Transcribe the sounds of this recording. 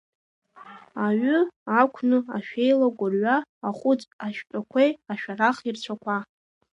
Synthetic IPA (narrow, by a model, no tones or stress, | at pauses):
aɥʏakʷʰnɨaʃᶣejlaɡʷʊrɥaːχʷʊt͡sʼaʃᶣtʷʼakʷʰejaʃᶣaraχirt͡ɕʷʰakʷʰa